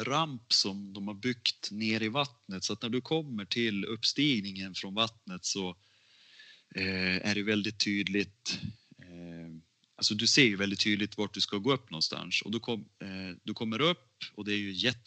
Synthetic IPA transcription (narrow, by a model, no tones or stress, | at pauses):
ɾampsɔmd̪ɔmhaɾbʏkt̪neːɾɪvat̪nət̪sɔat̪̚næɖɵkʰɔmːəʈʰɪlɵpːst̪iːɡnɪŋənfɾɔnvat̪nət̪sɔ | æ̰ɖɛjvɛld̪ɪt̪ʰːyːd̪lɪt̪ | ʔalsɔd̪ɵseːɾjɵvɛld̪ɪt̪ʰːyːd̪lɪt̪vaʈ̚ɖ̪ɵskaɡoːɵpːnɔnst̪a̰nʂɔ̰d̪ɔkʰɔmd̪ɵkʰɔmːəɾɵpːɔd̪ɛæɾjɵjɛt̪ː